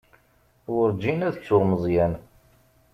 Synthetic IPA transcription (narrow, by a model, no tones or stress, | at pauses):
wʊɾd͡ʒinæðət͡sːʊʁməzˤjæn